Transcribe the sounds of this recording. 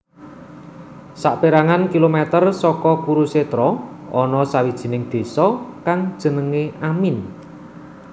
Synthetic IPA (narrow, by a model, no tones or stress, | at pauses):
saʔpeɾaŋankilomɛt̪ərsɔkɔkuɾuset̪ɾɔ | ʔɔnɔsawid̥ʒ̥i̤nɪŋd̪̥e̤sɔkaŋd̥ʒ̥ə̤nəŋeʔamin